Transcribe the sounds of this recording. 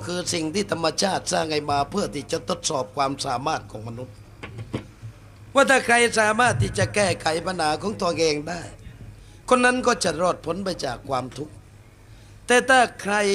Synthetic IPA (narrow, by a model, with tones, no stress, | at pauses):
kʰɯː˧si˨˩ŋt̪ʰiː˥˩t̪ʰa˧mːa˧t͡ɕʰaː˥˩t̪̚saː˥˩ŋha˧jmaː˧pʰɯ˥˩ɐt̪ʰiː˥˩t͡ɕa˨˩t̪ʰo˧˦˥t̪̚sɔː˨˩p̚kʰwaː˧msaː˩˦maː˥˩t̪̚kʰɔː˩˦ŋma˧nu˦˥t̪̚ | waː˥˩t̪ʰaː˥˩kʰɾa˧jsaː˨˦maː˥˩t̪ʰːiː˥˩t͡ɕa˨˩kɛː˥˩kʰa˩˦jpʰa˧nhaː˨˦kʰɔː˩˦ŋt̪u˧ɐkɛː˧ŋdaː˥˩j | kʰo˧nːa˦˥nkɔː˥˩t͡ɕa˨˩ɾɔː˧˩t̪̚pʰo˨˦˥npa˧jt͡ɕaː˨˩kʰːwaː˧mt̪ʰu˦˥k̚ | t̪ɛː˨˩t̪ʰaː˥˩kʰɾa˧j